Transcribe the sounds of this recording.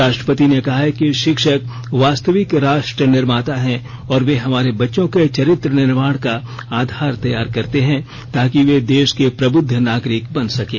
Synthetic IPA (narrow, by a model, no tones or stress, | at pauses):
ɾaːʃʈɾəpət̪inekɐɦaɦkiʃɪkʃək | ʋaːst̪əʋɪkɾaːʃʈɾənɪɾmaːt̪aɦɛ̃ | ɔːɾʋeɦɐmaːɾebɐtːʃõket͡ʃɐɾɪt̪ɾənɪɾmaːɽ̃ka | aːd̪ʱaːɾt̪ɐjaːɾkɐɾt̪eɦɛ̃ | t̪aːkiʋed̪eːʃkepɾɐbʊd̪ʱːənaːɡɾɪkbɐnsɐkeː